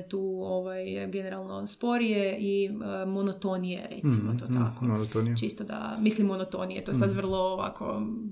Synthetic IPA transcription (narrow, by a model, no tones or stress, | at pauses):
t̪uːoʋajɡeneɾalˠnospoɾijeʔimonot̪onijḛɾḛt̪simot̪oːtt̪a̰komonot̪onit͡ʃist̪od̪a̰mislimːonot̪onijet̪ojesad̪ʋr̩lˠoːʋa̰kʰo̰